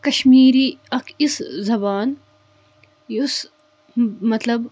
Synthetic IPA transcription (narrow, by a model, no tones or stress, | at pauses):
kɐʃmiːɾiːɐkʰiszɐbaːn | ʊs | mɐt̪lɐb